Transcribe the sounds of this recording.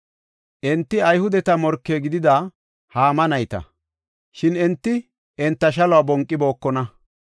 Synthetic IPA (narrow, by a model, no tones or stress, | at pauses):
ʔɛnt̪ːɪɐjhʊd̪ɛt̪ɐmɔɾkːeːɡɪd̪ɪd̪ɐ | haːmɐnɐjt̪ɐ̰ | ʃɪnɛnt̪ːɪ | ɛnt̪ːɐʃɐlɔwaːbɔŋkʼːɪbo̞ːkːɔnɐ